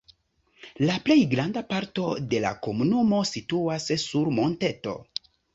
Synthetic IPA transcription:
laple̞jɡɾandapaɾto̞de̞la̰ko̞munumo̞situassuɾmo̞nte̞to̞̰

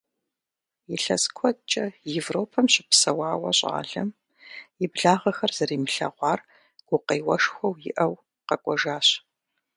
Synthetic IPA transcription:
jɪɬɐ̰skʷʰɔt͡ʃʼɐjɛvroːpʰɐmɕɪ̥psɐwɑːwɐ̰ɕʼa̰ːɮɐm | jɪbɮaːʁɐxɐrz̥ɐɾiːmɨɬɐ̰ʁʷɑːr | ɡ̥ʷʊqeːwɐʂxʷɐwjɪ̰ʔɐw | qɐkʷʼɔʒaːɕ

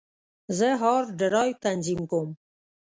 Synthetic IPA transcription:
zəɦɑɾɖəɾɑjwt̪anzimkom

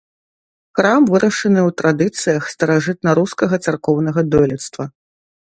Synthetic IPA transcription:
xɾamvɨɾʔɐʂɨnɨwt̪ɾad̪ɨt̪sɨjɐxst̪ɐɾaʐɨt̪̚nɐɾuskɐɣɐt̪sarkɔwnɐɣɐd̪ɔlʲɛt̪st̪vɐ

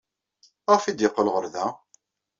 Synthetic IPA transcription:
ʁæfid̪jəqːəlʁəɾðæ

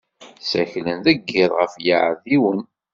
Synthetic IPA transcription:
sæçlənðæɡːɪðˤʁəfjaʕəðiwən

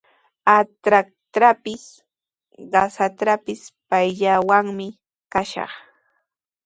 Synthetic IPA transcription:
at̪ɾak̚t̪ɾapɪs | ɢɑsat̪ɾapɪspajʎawaŋmɪ | kaʃɑ̰χ

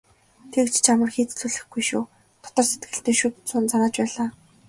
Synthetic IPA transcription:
t̪ʰekt͡ɕt͡ɕʰamə̆rxiːt͡s̪t͡suɮɘ̆xɡujʃuː | t̪ʰɔ̥t̪ɔːset̪̚ɡɘ̆ɬt̪eːʃut̪t͡sʊːnt͡saɾaːt͡ɕpæːɮaː

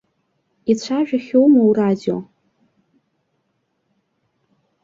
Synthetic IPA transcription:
it͡ɕʷʰaʒᶣaχʲowmauradio̰

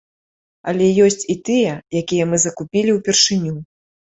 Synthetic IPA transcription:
ɐ̰lʲɛjɔsʲt͡sʲit̪ɨjɛjakʲijɛmɨzɐkupʲilʲiwpʲɛrʂɨnʲu

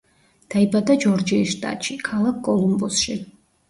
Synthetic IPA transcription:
d̪̥aibad̪ad͡ʒɔɾd͡ʒiiʃt̪ʼa̰t̪ʼʃikʰalˠakʰkʼɔlˠumbɔsʃi

